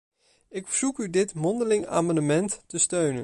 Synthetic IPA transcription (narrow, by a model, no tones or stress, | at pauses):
ɪkfəɹz̥ukydɪtmɔndəlɪŋa̰ːmandəmɛntːəstøɥnə̰